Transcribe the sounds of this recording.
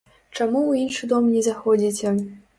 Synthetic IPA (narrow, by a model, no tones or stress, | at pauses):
t͡ʃamuuinʂɨd̪omnʲizaxodʲitʲe